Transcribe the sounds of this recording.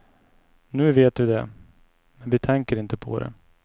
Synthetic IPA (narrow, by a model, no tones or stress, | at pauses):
nʉ̟ːveːt̪̚d̪ɵd̪ɛ | mɛnvɪt̪ʰɛŋkəɾɪnt̪əpʰɔ̰d̪ɛ̰